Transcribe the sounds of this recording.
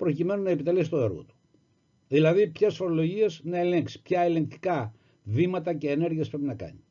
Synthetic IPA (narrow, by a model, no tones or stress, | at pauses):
pɾo̞cime̞nunɐe̞pit̪elesi̥t̪o̞e̞ɾɣo̰t̪u̥ | ðilɐðipçesfo̞ɾo̞lo̞ʝie̞znɐe̞le̞ŋksi̥pçɐele̞ŋk̚t̪i̥kɐ | vimɐt̪ɐce̞ːne̞ɾʝiespɾepinɐkɐ̰ɲi